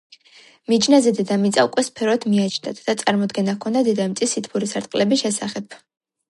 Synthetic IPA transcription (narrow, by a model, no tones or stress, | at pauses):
mid͡ʒnazɛd̪ɛd̪amit̪sʼaukʼwɛspʰɛɾɔd̪ʰmiat͡ʃʰnd̪at̪ʰd̪at̪sʼaɾmɔd̪ɡɛnakʰːɔnd̪ad̪ɛd̪amt̪sʼisːit̪ʰpʰuɾisaɾt̪ʼqʼlɛbisʃɛsaχɛpʰ